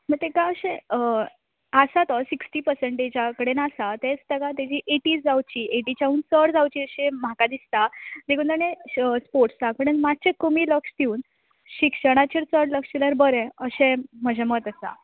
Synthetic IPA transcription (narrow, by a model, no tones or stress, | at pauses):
məɡt̪ekaəɕẽ | əsat̪ɔsiksʈiːpəɾseɳʈet͡ɕakəɽenasat̪et͡st̪əɡat̪ad͡ʑiːʔeʈiːd͡zd͡zawt͡ɕiːʔeʈit͡ɕauːnt͡səɽd͡zawt͡ɕiːəɕẽm̤akad̪ist̪ad͡ʑekunt̪anespoɾʈst͡sakəɽənmat̪̚ːt͡ɕekəmiːləkʂd̪iuːn | ɕikʂəɽ̃at͡ɕiɾt͡səɽləkʂt͡ɕiləɾbəɾẽəɕẽm̤əd͡ʑʱemət̪əsa̰